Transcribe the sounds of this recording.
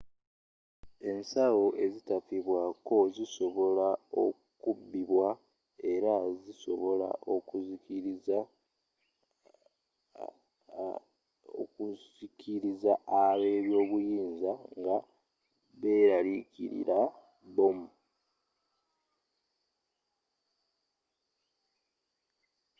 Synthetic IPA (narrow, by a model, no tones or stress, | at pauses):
e̞nsawo̞ʔe̞zitafiβwako̞ziso̞βo̞lao̰ | kubːiβwa | e̞ɾaziso̞βo̞la̰ʔokuz | kuzikʰiɾizaːβe̞ːβjo̞ːβujiːnzaŋɡa | βe̞ɾalikḭɾḭɾʔa | bomu